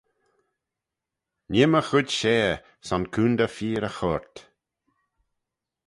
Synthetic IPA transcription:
nɪməxʊdʲʃeː | sankʰuːnd̪əfiːɾəxɔɹt̪

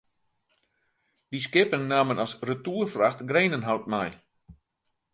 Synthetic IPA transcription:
d̥is̬kɪpəŋnaːmənɔsrətuːərfraxtɡreːnənɦawt̚mɛj

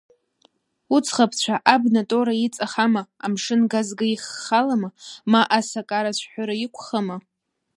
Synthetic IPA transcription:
ut͡sʰχapʰt͡ɕʷʰaʔabnatʼoɾait͡sʼaχamaamʂɨnɡazɡaiχːalamamaʔasakʼaɾat͡ɕʷʰħʷaɾajikʷʰχama

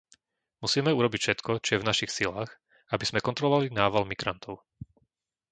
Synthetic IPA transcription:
musiːmɛuɾɔbicfʃɛt̪kɔt͡ʃɔjɛvnaʃixsilaːx | abiz̥mɛkɔnt̪ɾɔlɔʋalinaːʋalmiɡɾant̪ʰɔʊ

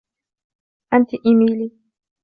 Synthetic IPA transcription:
ʔant̪ʔɪmiːliː

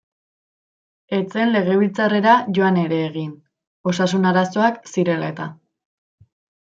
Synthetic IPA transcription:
e̞t͡se̞nle̞ɣ̞e̞β̞ilt͡sare̞ɾaʝo̞ane̞ɾe̞ːɣ̞in | o̞sasunaɾaso̞aksiɾe̞la̰e̞t̪a

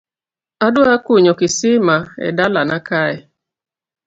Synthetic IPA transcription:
adʊakuɲɔkɪsimaɛ̰dalanakaɪ

